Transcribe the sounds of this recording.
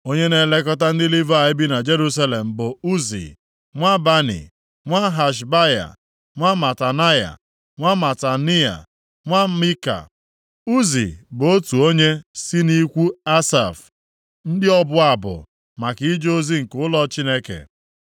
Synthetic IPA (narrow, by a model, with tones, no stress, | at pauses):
o˦ɲe˦ne˨le˦k̬ɔ˦ta˦n̩˦dɪ˦li˦va˨ɪ˦bi˦na˨d͡ʒe˦ɾu˦s̬a˦le˨m̩˨bʊ˨u˦zḭ˨ | ŋʷa˦ba˦nḭ˨ | ŋʷa˦ɦa˨ʃ̬ba˦ja̰˨ | a˦ma˨ta˨na˦ja̰˨ | ŋʷa˦ma˨ta˨ni˦a̰˨ | ŋʷa˦mi˦ka̰˨ | u˦zḭ˨bo˦tu˨o˦ɲe˦si˦ni˦kʷu˦a˦sa̰˨f | n̩˦dɪ˦ɔ˦bʊ˦a˨bʊ̰˨ | ma˨ki˨˦d͡ʒo˦zi˦ŋ̩˨kʊ˨˦lɔ˦t͡ʃi˦ne˦kḛ˨